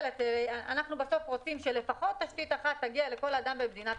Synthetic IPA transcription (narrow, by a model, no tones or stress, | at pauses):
lat̪eɾeaanaχnubaso̞fʁot͡simʃele̞faχo̞t̪ːaʃt̪it̪aχat̪ːaɡiale̞ko̞lad̪ambemed̪inat